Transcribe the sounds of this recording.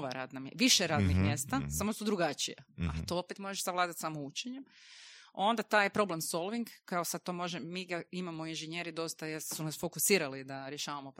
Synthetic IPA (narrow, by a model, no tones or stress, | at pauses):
ʋaɾa̰ːd̪namʋiʃeɾaːd̪nixmjest̪asamosud̪ɾuɡat͡ʃḭjaat̪oopet̪mo̞ʒeʃsaʋlaːd̪at̪samout͡ɕeɲem | o̞nd̪at̪aːjepɾo̞blemso̞lˠʋiŋɡkːaosad̪̚t̪o̞mo̞ʒeːiɡaimamoinʒeɲe̞ɾid̪o̞st̪ajeɾsunasfo̞kusiːɾalid̪aɾjeʃaːʋamo